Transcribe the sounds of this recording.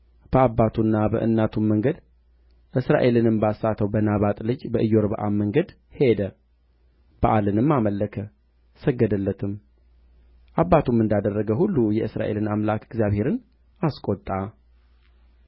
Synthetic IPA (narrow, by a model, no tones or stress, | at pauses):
b̥əabːat̪ʰunːabə̰ʔɨ̰nːat̪ʰumːəŋɡəd̪ | ʔɨsɾa̰ʔe̞lɨnɨmbasːat̪ʰəwbənaβat̪ʼlɨd͡ʒbəʔɨjːoɾbə̰ʔamːəŋɡəd̪ | he̞d̪ə | b̥aʔalɨnɨmːaməlːəkʰə | səɡːəd̪əlːət̪ʰɨm | ʔabːat̪ʰumɨnd̪ad̪ərːəɡəhulːujɛʔɨsɾa̰ʔe̞̰lɨnamlakʰɪɡzijaβhe̞ɾɨn | askʼot̪ʼːa